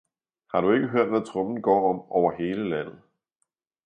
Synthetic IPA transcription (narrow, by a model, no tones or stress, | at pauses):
hɑ̈ɾue̝ɡ̥əɦøɐ̰d̥ʋæt͡sʰʁɔmn̩ɡ̥ɒ̰ːɒ̽m̰ɒʊɐɦe̝ːləlæn̰ð̩ˠ